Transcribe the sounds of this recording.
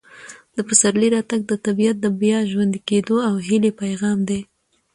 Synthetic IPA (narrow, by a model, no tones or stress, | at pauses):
d̪̥əpəsaɾliɾɑt̪aɡ̚d̪ət̪abijat̪̚d̪əbjaʒwand̪iked̪oawɦɪlepajɣɑmd̪e